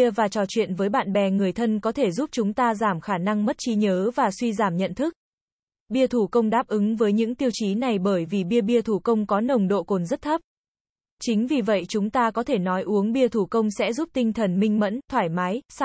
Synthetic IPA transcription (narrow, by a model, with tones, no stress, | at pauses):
əvaː˨˩t͡ɕɔ˨˩t͡ɕwḭ˧˨ənvəː˨˦jɓa̰ː˧˨nɓɛ˨˩ŋɨ˨˩əjt̪ʰə˧nkɔ˨˦t̪ʰe˧˩zu˦˥p̚t͡ɕʊ˨˦ŋ͡mt̪aː˧zaː˧˩mxaː˧˩na˧ŋmə˦˥t̚t͡ɕi˨˦ɲəː˨˦vaː˨˩swi˧zaː˧˩mɲə̰˧˨nt̪ʰɨ˦˥k̚ | ɓi˧ət̪ʰu˧˩kə˧wŋ͡mɗaː˦˥p̚ʔɨ˨˦ŋvəː˨˦jɲɨ̰˧˥ŋt̪i˧əwt͡ɕi˨˦na˨˩jɓəː˧˩jvi˨˩ɓi˧əɓi˧ət̪ʰu˧˩kə˧wŋ͡mkɔ˨˦nə˨˩wŋ͡mɗo̰˧˨ko˨˩nzə˦˥t̚t̪ʰə˦˥p̚ | t͡ɕï˨˦ŋ̟vi˨˩və̰˧˨jt͡ɕʊ˨˦ŋ͡mt̪aː˧kɔ˨˦t̪ʰe˧˩nɔ˨˦jʔu˨˦əŋɓi˧ət̪ʰu˧˩kə˧wŋ͡msɛ̰˧˥zu˦˥p̚t̪ï˧ŋt̪ʰə˨˩nmï˧ŋ̟mə̰˧˥nt̪ʰwaː˧˩jma˨˦js